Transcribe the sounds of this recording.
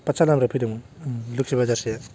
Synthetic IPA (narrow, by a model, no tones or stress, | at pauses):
pasalamɾapʰiduŋluksibazaɾsija